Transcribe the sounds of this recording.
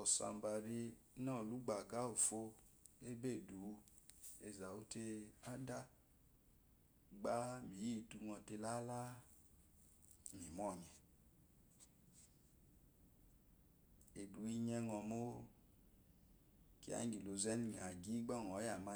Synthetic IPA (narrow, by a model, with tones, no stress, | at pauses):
ɔ˨sa̰˨˧˨m˨ba˨ɾi˧˦nɔ˦˨lu˨˦ɡ͡ba˨ɡa˨˦o˨fo˧ | e˦be˦˨du˨˦ | e˨za˨u˦te˧a˦da˦ | ɡ͡ba˦mi˨ji˦˨tu˧ŋɔ˧te˧la˦la˦˨ | ni˨mɔ˦˨ɲɛ˨ | e˨du˨˦i˧ɲɛ˧ŋɔ˧˨mo˦ | ki˦a̰˨˦ɡi˨lo˨zɛ˦ni˨ŋ˨a˨ɡi˨˦ɡ͡bɔ˦˨ŋ˨ɔ˨˦ja˨ma˧